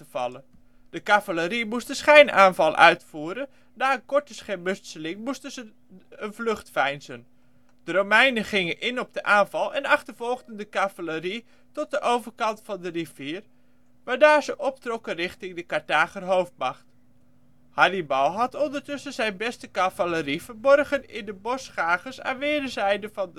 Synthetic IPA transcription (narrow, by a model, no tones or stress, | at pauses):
əvɑ̰lə | d̥əkavələɾimustəsχejnʔaːnvɑlˠʔœ̰ɥtfuːɾən | daːənkɔɹtəsχɛmɵstsəlɪŋmustəzə | ənvlɵχtfɛjnzən | d̥əromɛjnəχɪŋənʔɪnɔp̚dəʔaːnvɑlˠɛnɑχtəɹv̥ɔlˠɣdəndəkavələɾi | tɔt̚dəʔowvəɹkɑntfɑndəriviːr | ʋaːɹdaːɹzəʔɔp̚trɔkənrɪχtɪŋdəkaɹtaːχərɦowf̚mɑχt | hɑlibɑwɦɑtɔndəɹtɵsənzɛjnbɛstəkavələriv̥əɹbɔrχənɪ̰ndəbɔsχaːχəsa̰ːnʋɪːdəzɛjdəvɑn